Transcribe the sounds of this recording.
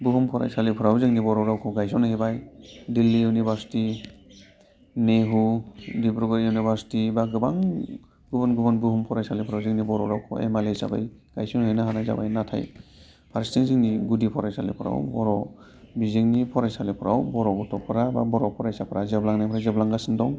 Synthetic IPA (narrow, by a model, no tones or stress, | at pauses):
bɯɦumpʰɔɾa̰jsalipʰɔɾawzɯŋnibɔɾɔɾawkʰɔɡajsɔnhibajdilːiunibaɾsi̥ti | neɦudibɾɔɡɔɾunibʱaɾsi̥tibaɡɯbaŋ | ɡɯbɔnɡɯbɔnbɯɦumpʰɔɾajsalipʰɔɾawzɯŋnibɔɾɔɾawkʰɔ̰ḛmalejsa̰ba̰jɡ̥a̰jsɔnhɯjnaɦanajza̰ba̰jnatʰa̰j | pʰaɾstiŋziŋniɡudipʰɔɾajsalḭpʰɔɾa̰wbɔɾɔ | bizeŋnipʰɔɾajsalipʰɔɾa̰wbɔɾɔɡɔtʰɔpʰɔɾaba̰bɔɾɔpʰɔɾajsapʰɔɾazeblaŋnajpʰɾazeblaŋɡasindɔŋ